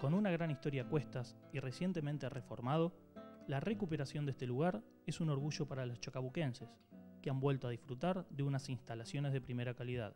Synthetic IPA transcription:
ko̞nunaɣ̞ɾanist̪o̞ɾjakwe̞st̪as | ire̞sje̞nt̪e̞mẽnt̪ere̞fo̞ɾmað̞o̞ | larekupeɾasjo̞nd̪est̪e̞luɣ̞aɾ | e̞suno̞ɾɣuʒo̞paɾalost͡ʃokaβuke̞nses | keambwe̞lt̪oað̞isfɾut̪aɾðeunasinst̪alasjo̞nezð̞e̞pɾime̞ɾakaliða̰ð

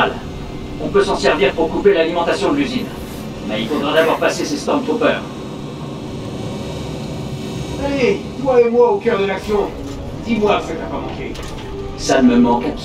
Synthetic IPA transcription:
l | ɔ̃pøsɑ̃sɛʁviʁpuʁkupelalimɑ̃t̪asjɔ̃d̪əlyzin | mɛilfod̪ʁɛd̪avwaʁpasesest̪ɔmt̪opœːʁ | saled̪waemwaokʲœʁd̪əlaksjɔ̃ | d̪̥imwasət̪apamɑ̰̃kḛ | saməmɑ̃kaps

